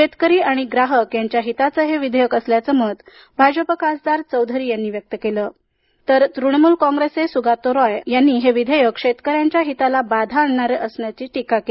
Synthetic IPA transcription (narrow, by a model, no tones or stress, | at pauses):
ɕet̪kəɾiːaɽ̃iɡɾaɦəkjaɲt͡ɕjaɦit̪at͡səɦeʋid̪ʱəjəkəsljat͡səməd̪ | bʱad͡ʑəpəkasd̪aɾt͡səwd̪ʱəɾiːjanːiːʋjək̚t̪əkeləː | t̪əɾt̪ɾuɽmuːlkɔ̃ŋɡɾesesuɡat̪oɾɔjjanːiːɦeʋid̪ʱəjəkʂet̪kəɾjaɲt͡ɕjaɦit̪alabad̪ʱaːɳɳaɾeʔəsɳjat͡ɕiːʈikake